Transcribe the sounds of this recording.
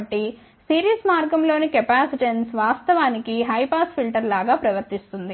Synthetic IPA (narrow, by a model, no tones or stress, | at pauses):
ʈːi | siːɾiːsmaːɾɡɐmlo̞ːnikɛpaːsiʈensʋaːst̪ɐʋaːnikiɦɐjpaːspʰilʈɐɾlaːɡaːpɾɐʋɐɾt̪ist̪und̪i